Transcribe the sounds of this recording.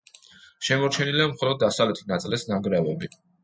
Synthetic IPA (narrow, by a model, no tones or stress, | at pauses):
ʃɛmɔɾt͡ʃʰɛniliamχɔlɔd̪̚ːasavlɛt̪ʰinat̪sʼlɛsnaŋɡɾɛvɛbi